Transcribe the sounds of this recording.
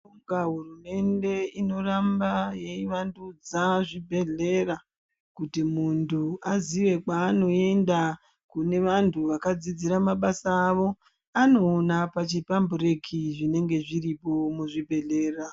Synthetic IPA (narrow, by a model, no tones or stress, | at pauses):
uŋɡaɦurume̞nde̞ino̞rambaje̞iʋandud͡zaʐibʱe̞ɮe̞ra | kutimuntʰuaziʋe̞kwaːno̞e̞nda | kune̞ʋantʰuʋakad͡zid͡ziɾamaɓasaːʋo̞ | ano̞ːnapat͡ʃipambure̞kʰiʐine̞ŋɡe̞ʐiripo̞muʐibʱe̞ɮe̞ːra